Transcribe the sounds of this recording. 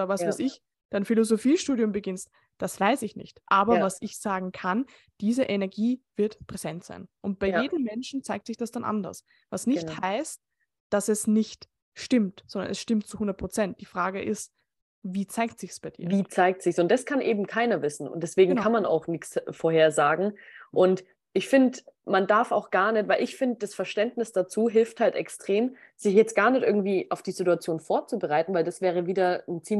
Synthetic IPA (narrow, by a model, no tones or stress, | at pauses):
ʔodɐvasvaɪsɪç | d̥anfilozofiːʃtuːdjʊmbəɡɪnst̚ | d̥asv̥aɪsɪçnɪ̰çtʔaːbɐvasɪçz̥aːɡŋ̩kʰan | d̥iːzəʔenɛɐɡiːv̥ɪɐtpʁ̥ɛz̥ɛntz̥a̰ɪnʔʊnt̚b̥aɪjeːdm̩mɛnʃn̩t͡saɪk̚tsɪçd̥asd̥anʔa̰ndɐ̰s | vasnɪçthaɪst̚ | d̥asɛsnɪçt | ʃtɪmtz̥ɔndɐ̰nʔɛsʃtɪmt̚t͡suhʊndɐt̚pʁ̥ot͡sɛnt̚d̥iːfʁ̥aːɡəʔɪst | viːt͡saɪk̚tz̥ɪçsb̥aɪd̥ḭːɐviːt͡saɪk̚tz̥ɪçsʊnt̚d̥askʰanʔeːbm̩kʰaɪnɐvɪsn̩ʊ̰nt̚d̥ɛsv̥eːɡŋ̩kʰanmana̰ʊxnɪçt͡sfoːɐheːɐzaːɡŋ̩ʔʊnt | ʔɪçfɪndəmandaɐfa̰ʊxɡ̥aɐnɛçtv̥aɪlɪçfɪndəd̥asfɛɐʃtɛntnɪsd̥at͡suːɦɪlfthaltɛ̰kstʁ̥eːm | z̥ɪçjɛt͡stɡ̥aːɐnɛçtʔɪ̰ɐɡŋ̩tv̥iːʔaʊfd̥iːzituat͡sjoːnfoːɐt͡subəʁaɪtn̩vaɪldasv̥ɛːʁ̞əviːdɐn̩t͡siː